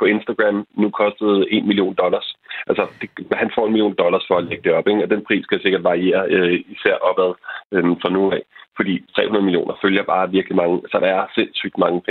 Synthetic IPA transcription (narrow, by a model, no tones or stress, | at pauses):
pʰɒ̽e̝nsd̥æɡ̥ʁæmnukʰɒ̽sd̥ð̞̩ˠe̝nmilio̝̰ːnd̥ɒ̽lɐsʔæl̰səd̥e̝hænfɒ̰ːe̝nmilio̝̰ːnd̥ɒ̽lɐsfɒ̽æleɡ̥əd̥e̝ɒ̽b̥eɡ̥ɒ̽d̥enpʰʁḭːskʰæjase̝ɡ̥ɐd̥ʋɑ̈ʁie̝̰ːɐøisæɐ̰ʔɒ̽b̥æð̞ˠømfʁɑ̈noːɛ̰ːfɒd̥ḭːt͡sʰʁɛ̰ːunɐðˠmilio̝̰ːnʔɐføljɐb̥ɑ̈ːʋiɐɡ̥limɑ̈ŋəsɒ̽d̥ɑ̈æɐse̝nsy̰ːd̥mɑ̈ŋəpʰe